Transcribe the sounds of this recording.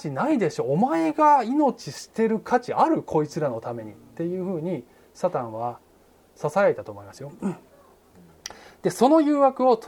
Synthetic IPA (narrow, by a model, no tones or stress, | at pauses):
t͡ɕinaid̪e̞ɕo̞ːmae̞ɡaino̞t͡ɕiɕi̥t̪e̞ɾɯ̟kʰat͡ɕiaɾɯ̟kʰo̞it͡sɨɾano̞t̪ame̞ɲ̟it̪ːe̞jɯ̟ːɸɯ̟ːɲ̟i | sat̪ãɰ̃βa | sasaeet̪at̪oːmo̞imasɨjo̞ | d̪̥e̞so̞no̞jɯ̟ːβakɯ̟o̞